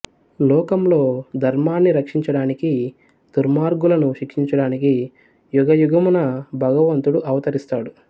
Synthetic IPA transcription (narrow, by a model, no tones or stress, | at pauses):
lɔːkɐmlo̞ːd̪ʱɐɾmaːnːiɾɐkʂiɲt͡ʃɐɽaːniki | d̪̥uɾmaːɾɡulɐnuʃikʂiɲt͡ʃɐɽaːniki | juɡɐjuɡɐmunɐbʱɐɡɐʋɐnt̪uɽuʔɐʋɐt̪ɐɾist̪aːɽu